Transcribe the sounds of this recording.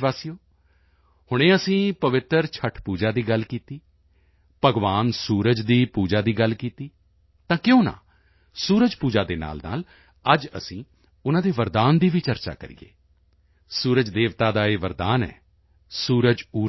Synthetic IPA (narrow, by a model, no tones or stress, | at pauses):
ʋaːsijoː | hʊɽ̃ẽːəsĩːpəʋɪt̪əɾt͡ʃʰəʈʰpuːd͡ʒaːd̪iːɡəlkiːt̪iː | pəɡʋaːnsuːɾəd͡ʒd̪iːpuːd͡ʒaːd̪iːɡəlkiːt̪iː | t̪ãːkɪjõːnã̰ː | suːɾəd͡ʒpuːd͡ʒaːd̪eːna̰ːlna̰ːl | əd͡ʒə̰sĩː | ʊnãːd̪eːʋəɾd̪aːnd̪iːʋiːt͡ʃəɾt͡ʃa̰ːkə̰ɾḭːḛː | suːɾəd͡ʒd̪eːʋt̪aːd̪aːeːʋəɾd̪aːnɛ̰ː | suːɾəd͡ʒuː